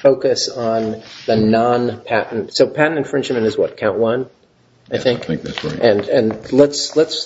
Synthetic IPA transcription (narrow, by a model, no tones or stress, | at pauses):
foʊkɨsn̩ðɨnɑ̃npʰæʔn̩tsoʊpʰæʔn̩tɨ̃nfɹɪ̃nd͡ʒmɨ̃nɨzwʌt̚kʰãʊ̃nʔwʌ̃n | aɪθɪ̃ŋkʔɨ̃nɨ̃nlətsləts